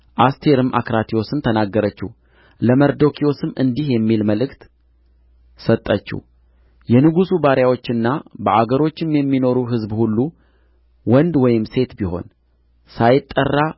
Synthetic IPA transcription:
ʔast̪ʰe̞ɾɨmʔa̰kɾat̪ʰio̞sɨnt̪ʰənaɡːəɾət͡ʃːu | ləməɾd̪o̞kʰio̞sɨmɨnd̪ihjɛmːilməlɨkt̪ | sət̪ʼːət͡ʃːṵ | jɛnɨɡusubaɾjawo̞t͡ʃːɨnːabəʔaɡəɾo̞t͡ʃːɪmjɛmːino̞ɾuɦɨzbhulːu | wɔnd̪wɔjɪmse̞t̪biho̞̰n | sajɪt̪ʼːərːa

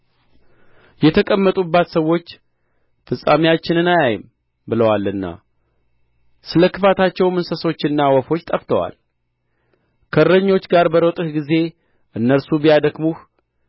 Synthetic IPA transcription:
jɛt̪ʰəkʼəmːət̪ʼubːat̪səwːo̞t͡ʃː | fɨsʼamijat͡ʃːɪnɨnajajɪm | bɨləwalɨnːa̰ | sɨləkʰɨfat̪ʰat͡ʃːɛwmɨnsəso̞t͡ʃːɪnːawɔfo̞t͡ʃːt̪ʼəft̪ʰəwa̰l | kʰərːəɲːo̞t͡ʃːɡaɾbəɾət̪ʼɨhɡize̞ | ʔɨnːəɾsubijad̪əkmuh

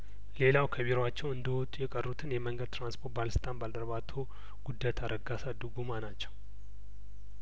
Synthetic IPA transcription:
le̞lawkʰəβeɾat͡ʃːɛwɨnd̪əwɔt̪ʼujɛkʼərːut̪ʰɨnjɛməŋɡəd̪̚t̪ɾanspʰo̞ɾt̪balst̪ʰʼanbald̪əɾβat̪ʰo | ɡ̥ud̪ːajt̪ʰaɾəɡasad̪ɨɡumanat͡ʃːɛw

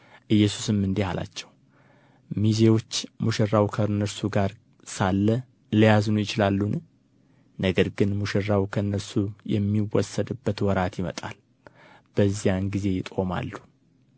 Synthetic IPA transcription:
ʔɨjːɛsu̥sɨmːɨnd̪ehala̰t͡ʃːɛw | mize̞wo̞t͡ʃːmuʃɪrːawkʰənːəɾsuɡaɾ | salːə | ləjaznujɪt͡ʃɪlalːun | nəɡəɾɡɨnmuʃɛrːawkʰəɨnːəɾsujɛ̰mːiwɔsːəd̪ɨbːət̪wɔɾat̪jɪmə̰t̪ʼa̰l | b̥əzːijanɡize̞jɪt̪ʼo̞ma̰lːu

